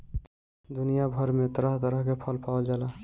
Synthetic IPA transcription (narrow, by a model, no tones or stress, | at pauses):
d̪unijabʱəɾmet̪əɾəɦt̪əɾəɦkepʰəlpawəld͡ʒaːla